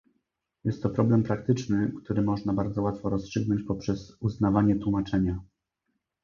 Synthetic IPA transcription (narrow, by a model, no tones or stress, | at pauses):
jɛst̪ːɔpɾɔblɛmpɾak̚t̪ɘt͡ʂnɘkt̪uɾɘmɔʐnabaɾd̪zɔwat̪fɔɾɔstʂɘɡnɔɲt͡ɕpɔpʂɛzuznavaɲɛt̪wumat͡ʂɛɲa